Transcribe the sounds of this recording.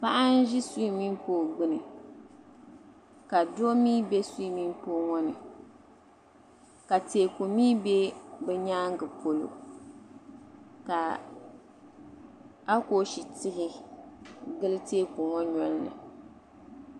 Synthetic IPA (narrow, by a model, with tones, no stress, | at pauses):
pa˦ʔa˦n˦ʒɪ˦su˦i˦mi˦mpoː˦ɡ͡bɨ˦nɨ˨ | ka˨do˦miː˦be˦su˦i˦mi˦m˦poː˦ŋɔ˦nɨ˨ | ka˨teː˨ko˨miː˦be˦bɛ˨ɲaː˦ŋ˦ɡɨ˨pʰo˨lo̰˨ | ka˨ | a˦ko˦ʃi˨tɪ˦ɦɪ˦ | ɡɨ˦lɨ˦teː˦ko˨ŋɔ˦ɲɔ˦lnɨ̰˨